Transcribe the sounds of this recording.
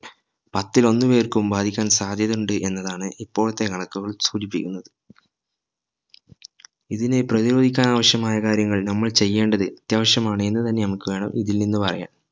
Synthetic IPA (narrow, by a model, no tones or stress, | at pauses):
pɐt̪ːilo̞nːuʋeːrkumbaːd̪ʱikʲːaːnsaːd̪ʱjɐðuɳɖɨʔe̞nːɐðaːɳɨʔipːo̞ːɭɐt̪ːe̞kɐɳɐkːuɣɐɭsuːdipːikʲːunːɐðɨ | iðineprɐðiɾo̞ːd̪ʱikʲːaːnaːʋɐɕjɐmaːjɐkaːɾjɐŋːɐɭnɐmːɐɭt͡ɕe̞jːe̞ːɳɖɐðɨʔɐt̪jaːʋɐɕjɐmaːɳɨe̞nːɨt̪ɐnːe̞nɐmukːɨʋe̞ːɳɐ̰miðilninːɨpɐrɐ̰ja̰ːm